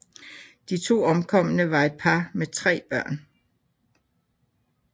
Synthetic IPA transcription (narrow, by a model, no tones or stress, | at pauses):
d̥it͡sʰo̝̰ːɒ̽mkʰɒ̽m̰ənəʋɑ̈e̝d̥̚pʰɑ̈met͡sʰʁɛ̰ːb̥ɶɐ̰n